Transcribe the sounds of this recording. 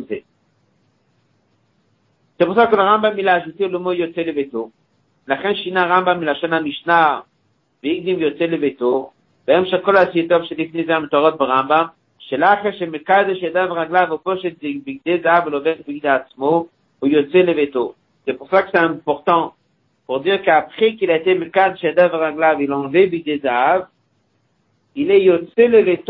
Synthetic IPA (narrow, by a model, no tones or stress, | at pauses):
ze | z̥epuʁsakolaʁambamːilaːʃut̪ilomojot͡selevet̪o | vlaχenʃinaʁambamːilaʃonhamiʃna | veiɡ̚d̪imvjot͡selevet̪o | beemʃeχkolaːsit̪ovʃelifnejzeamet̪oaʁot̪̚beʁambam | ʃelaχeʃeməkad̪eʃead̪avʁaɡlavupɔʃɛt̪̚d̪əbiɡ̚d̪ezaavulɔvɛtbiɡid̪eat̪t͡smo | ujɔt̪st͡seləvet̪o | sɛpuʁsakə̥sɛɛ̃pɔʁt̪ɑ̃ | puʁd̪iʁkəapχekilaet̪eməkad̪ʃead̪avəʁaɡlavilɑ̃vebiɡ̚d̪ezaav | ilɛjɔt͡seləvet̪